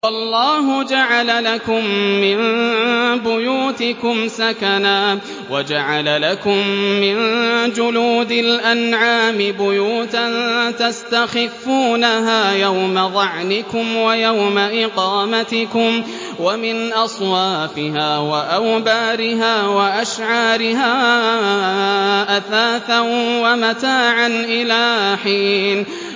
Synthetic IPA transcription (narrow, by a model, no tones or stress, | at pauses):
wɑlˤːɑːɦʊd͡ʒaʕalalakʊmːɪn | bʊjuːt̪ɪkʊmsakanaː | wad͡ʒaʕalalakʊmːɪnd͡ʒʊluːd̪alʔanʕaːmɪbʊjuːt̪ant̪ast̪axɪfːuːnaɦaːjawmaðˤɑʕnɪkʊmwajawmaʔɪqɑːmat̪ɪkʊm | wamɪnʔɑsˤwɑːfɪhaːwaʔawbaːɾɪɦaːwaʔaʃʕɑːɾɪɦaː | ʔaθaːθanwamat̪aːʕanʔɪlaːħiːn